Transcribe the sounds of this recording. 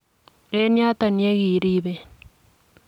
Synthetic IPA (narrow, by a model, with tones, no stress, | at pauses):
e˦nja˦t̪a˨nje˦ɣi˨ɾi˦βe˨